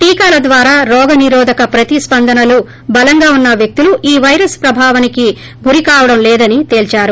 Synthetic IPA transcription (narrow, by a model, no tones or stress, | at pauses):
ʈiːkaːlɐd̪ʋaːɾaːɾɔːɡɐniɾɔːd̪ʱɐkɐpɾɐt̪ispɐnd̪ʱɐnɐlu | bɐlɐŋɡaːunːɐʋjɐk̚t̪uluʔiːʋɐjɾɐspɾɐbʱaːʋɐniki | ɡuɾikaːʋɐɽɐmlɛːd̪ɐnit̪e̞ːlt͡ʃaːɾu